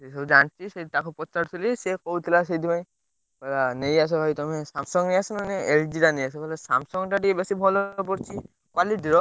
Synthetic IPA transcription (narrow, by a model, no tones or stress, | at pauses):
esɔd͡ʒant͡ʃʰisetakʰɔpɔtːaɾt̪ulisekowt̪ʰilased̪imaj | kɔlanejas̬ɔbʱajt̪ɔmɛsamsɔŋnejasɔnanɛeldiɾanejas̬ɔkɔlɛsa̰msɔŋʈaʈibesibʱɔlɔp̬ɔɾt͡ʃʰi | kwalidiɾɔ